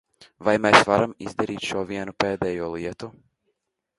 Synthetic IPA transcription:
vajmasʋaɾamḭzd̪eɾit͡ʃoviɛnupeːd̪ɛjolˠijet̪u

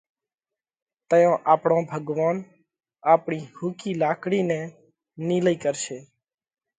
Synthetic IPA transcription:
t̪əjõːʔaːpɳõːbʱəɡʋaːn | aːpɳiːhuːkiːlaːkɽiːneː | niːləiːkəɾʃeː

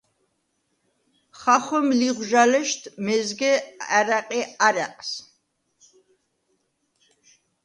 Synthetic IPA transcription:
χaχʷɔmliʁʷʒalɛʃt̪ʰmɛzɡɛaɾaqʼiaɾaqʼs

